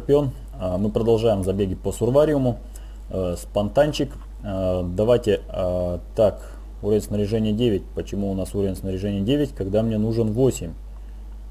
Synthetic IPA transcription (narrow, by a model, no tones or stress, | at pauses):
pʲɪo̞n | mɨpɾəd̪ɐlˠʐajɪmzɐbʲeɡʲɪpəsʊrvaɾʲɪʊmʊ | spɐnt̪anʲt͡ɕɪk | d̪ɐvajtʲɪ | t̪ak | uɾəvʲɪnʲsnəɾʲɪʐɛnʲɪjədʲevʲɪt̚ʲpət͡ɕɪmuːnasuɾəvʲɪnsnəɾʲɪʐɛnʲɪjədʲevʲɪtʲkɐɡd̪amnʲe̞nuʐɨnvo̞sʲɪmʲ